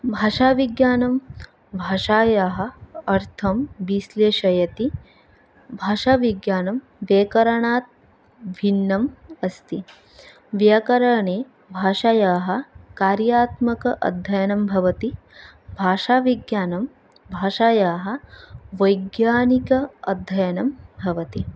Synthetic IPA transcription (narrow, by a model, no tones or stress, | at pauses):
bʱaːʂaːʋiɡjaːnɐm | bʱaːʂaːjaːɦɐ̆ɐɾt̪ʰɐmʋisleːʃɐjɐt̪i | bʱaːʂaːʋiɡjaːnɐm | ʋeːkɐɾɐɳaːt̪̚ | ʋʱinːɐmɐst̪i | ʋjɐkɐɾɐɳeː | bʱaːʃaːjaːɦɐ̆kaːɾjaːt̪mɐkɐʔɐ̰d̪ʱːɐjɐnɐmbʱɐʋɐt̪i | bʱaːʂaːʋiɡjaːnɐm | bʱaːʃaːjaːɦɐ̆ʋɐjɡjaːnikɐɐ̰d̪ʱːɐjɐnɐmbʱɐʋɐt̪i